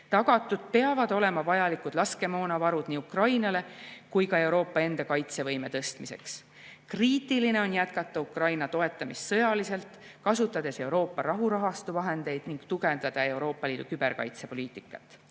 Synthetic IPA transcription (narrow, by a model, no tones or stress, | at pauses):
t̪ɑɡ̥ɑt̪ːˑud̪̥̚pe̞ɑvɑd̪̥o̞le̞mɑvɑjɑlikud̥̪lɑske̞mo̞ːnɑvɑɾud̪̥niːukrɑjnɑle̞kujkɑe̞wɾo̞ːpˑːɑe̞nd̪̥ɑkɑjt̪se̞vɤ̞jme̞t̪ɤst̪mise̞̰ks | kriːt̪ːˑiline̞o̞njæt̪kɑt̪ˑːɑukrɑjnɑt̪o̞e̞t̪ːˑɑmissɤjɑlise̞lt̪ˑ | kɑsut̪ːˑɑd̪e̞se̞wɾo̞ːpːɑɾɑɦuɾɑɦɑst̪uvɑɦe̞nd̪e̞jd̪̥niŋɡ̥t̪uɡe̞nd̪̥ɑd̪̥ɑe̞uwɾo̞ːpːˑɑliːd̪̥ukyb̥e̞ɾkɑ̰jt̪se̞po̞liːt̪ˑikːˑɑ̰t̪ːˑ